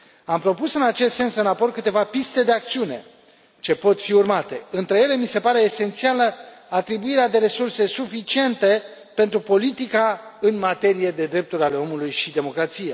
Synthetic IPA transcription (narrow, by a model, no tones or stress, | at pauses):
ampɾo̞pusɨnat͡ʃe̞st̪se̞nsɨnapo̞rkɨt̪e̞vapist̪e̞d̪e̞ak̚t̪siune̞̰ | t͡ʃe̞po̞t̪fiurmat̪e̞ɨnt̪ɾe̞je̞le̞mise̞paɾe̞ːse̞nt̪sialəat̪ɾibuiɾead̪e̞ɾe̞surse̞sufit͡ʃie̞nt̪e̞ | pe̞nt̪ɾupo̞lit̪ikaɨnmat̪e̞ɾije̞d̪e̞d̪ɾe̞p̚t̪uɾʲale̞o̞mulujʃid̪e̞mo̞kɾat̪sije